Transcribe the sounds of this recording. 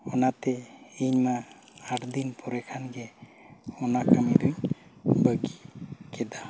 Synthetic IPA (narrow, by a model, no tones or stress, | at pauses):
ɔnat̪ɛiɲma | aɾd̪inpʰɔɾɛkʰanɡɛ | ɔnakʰamid̪uɲbəɡikɛd̪a